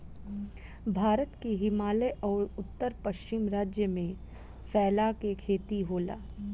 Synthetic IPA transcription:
bʱaːɾət̪keɦɪmaːleʔɔːɾʊt̪ːəɾpɐʃt͡ʃɪmɾaːd͡ʒjəmẽ | fɛːlakekʰeːt̪iɦoːla̰ː

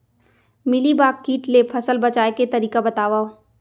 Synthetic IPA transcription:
mɪlibaːkːiːʈlepʰɐsəlbɐt͡ʃaːeket̪ɐɾiːkabɐt̪aːʋaːo

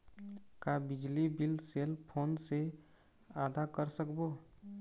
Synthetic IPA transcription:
kabɪd͡ʒlibilseːlpʰoːnse | aːd̪ʱakəɾsəkbo

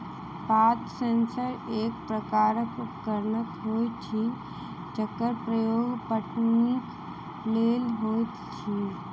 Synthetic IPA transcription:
paːt̪sensəɾeːkpɾəkaːɾəkkəɾnət̪ɦoːt̪ʰi | t͡ʃəkːəɾpɾəjoːɡpəʈnik | leːlɦot̪t͡ʃʰi

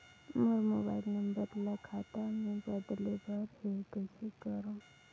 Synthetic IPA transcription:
mʊɾmoːba̰ːɪlnɐmbəɾləkʰat̪amẽbəd̪lebəɾɦeɡəsekəɾõ

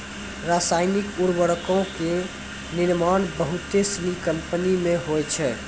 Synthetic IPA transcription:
ɾasajnikuɾbəɽkõke | niɾmanbəɦut̪esnikəmpənimeɦojt͡ʃʰɛ

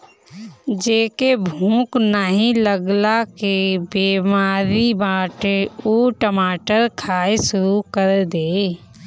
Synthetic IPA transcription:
d͡ʒeːkebʱũːknaɦĩləɡlakebiːmaːɾibaːʈeuːʈəmaːʈəɾkʰaːeʃʊɾukəɾd̪eː

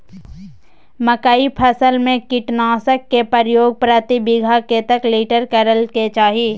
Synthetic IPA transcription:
məkaːipʰəsəlmẽkɪʈnaːsəkːepəɾjoːɡ̚pɾət̪ibɪɡʱaket̪əkliːʈəɾkəɾəlket͡ʃaːɦijeː

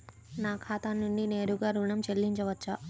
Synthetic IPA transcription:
naːkʰaːt̪anuɳɖine̞ːɾuɡaːɾuːɳɐmt͡ʃelːiɲt͡ʃɐʋɐt͡ʃːɐ

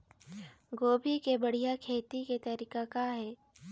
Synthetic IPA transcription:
ɡoːbʱikebɐɽ̤ijakʰeːt̪iket̪ɐɾikakaɦɛː

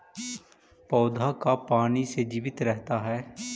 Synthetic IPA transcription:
pɔːd̪ʱaːkaːpaːniːseːd͡ʒiːʋɪt̪ɾɛɦt̪aːɦɛː

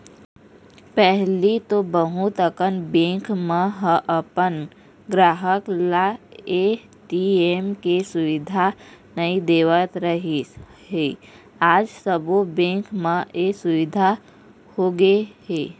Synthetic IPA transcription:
pɛɦlit̪obəɦut̪əkənbẽːkmãɦəʔəpən | ɡɾaːɦəklae | ʈiemkesʊʋɪd̪ʱa | nəid̪eːʋət̪ɾəɦi | ɦe | aːd͡ʒsəbobẽːkmə̃esʊʋɪd̪ʱa | hoːɡeɦeː

